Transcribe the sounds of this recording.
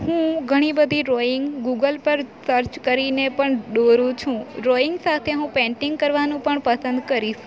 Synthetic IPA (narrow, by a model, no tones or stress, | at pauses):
hũɡʱəɽ̃ibəd̪ʱiɾoɪŋɡɡuɡəlpəɾsəɾt͡ʃkəɾinepəɳɖoɾũt͡ʃʰũɾoɪŋɡsat̪ʰeɦũpɛ̃ɳʈɪŋɡkəɾʋanũpəɳpəsənd̪kəɾiʃ